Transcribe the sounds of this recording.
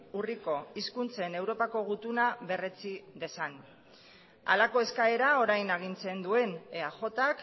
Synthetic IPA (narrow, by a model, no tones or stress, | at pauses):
uriko̞iskunt͡se̞ne̞wɾo̞pako̞ɣ̞ut̪unaβe̞re̞t͡siðe̞san | a̰lako̞e̞skae̞ɾao̞ɾajnaɣ̞int͡se̞nd̪ue̞neaʝo̞t̪ak